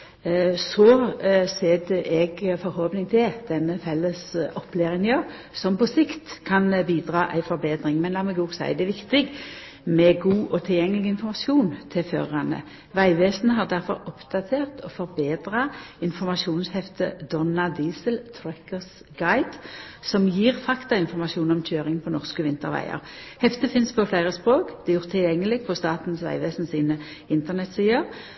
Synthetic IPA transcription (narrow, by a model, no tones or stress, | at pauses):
sɔseːd̪əʔɛɡfɔɾhɔːpnɪŋt̪ʰɪld̪̥ɛnːəfɛlːəsɔpːleːʁɪŋnɪøː | sɔmpɔsɪkt̪kʰɑnbiːd̪ʁɑːʔæɪfɔɾbeːd̪ɾɪŋmɛnlɑːməɡuːɡsæ̰ɪd̪ɛʋɪkt̪ɪɡ | mɛɡuːʔɔt̪ʰɪljɛŋːəlɪɡɪnfɔmɑsjuːnt̪ʰɪlfø̰ʁɑnə̰ | ʋæɪʋeːsnəɦɑʁd̪æʁfɔ̰ɾɔpd̪̥ɑt̪ʰeːʁt̪ʰɔfɔɾbeːd̪ʁɑɪnfɔʁmɑsuːnshɛft̪ʰəd̪ɔnɑd̪iːsəlt̪ʰɾɛkəʁs | ɡ̥ɑɪd̪̥sɔmjiːʁfɑkt̪ɑɪnfɔʁmɑsuːnɔmc͡çøːʁɪŋpʰɔnɔʁskəʋɪnt̪əʁʋæ̰ɪə̰ʁhɛft̪əfɪnspʰɔflæɪʁəspʁoːkd̪̥ɛjʊʁt̪ʰɪljɛŋːəlɪɡfʰɔst̪ɑːt̪n̩sʋæ̰ɪʋeːsnsiːnə | ɪnt̪əʁnɛt̪siːəʁ